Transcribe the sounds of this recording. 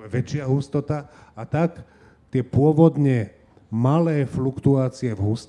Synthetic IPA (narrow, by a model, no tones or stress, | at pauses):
ʋɛt͡ʃɪaɦust̪ɔt̪aat̪ak | t̪ɪɛpʊɔʋɔd̪ɲɛ | malɛːflukt̪uaːt͡siɛvɦust̪